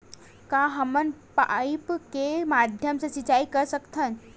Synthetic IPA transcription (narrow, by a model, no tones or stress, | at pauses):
kaɦəmənpaipkemad̪ʱjəmsəsit͡ɕaikəɾsəkt̪ʰən